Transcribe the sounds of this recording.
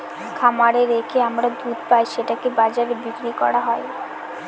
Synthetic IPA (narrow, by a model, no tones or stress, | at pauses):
kʰamaɾeɾekʰeamɾad̪ut̪pajʃeʈakebad͡ʑaɾebikɾikɔ̰ɾaɦɔe